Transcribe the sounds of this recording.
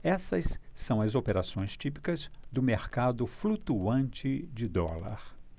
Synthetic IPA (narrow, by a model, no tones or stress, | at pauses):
ɛsɐsːɐ̃w̃ɐzopeɾasõj̃st͡ʃipi̥kɐzd̪ʊmeɾkad̪ʊflut̪uɐ̃nt͡ʃɪd͡ʒɪd̪ɔ̰lɐ̰ɾ